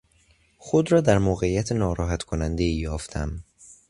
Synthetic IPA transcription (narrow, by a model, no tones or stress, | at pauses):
xod̪ɾɒːd̪æɾmoːɣeijæt̪ʰenɒːɾɒːɦæt̪ʰkʰonænd̪eiːjɒːft̪ʰæm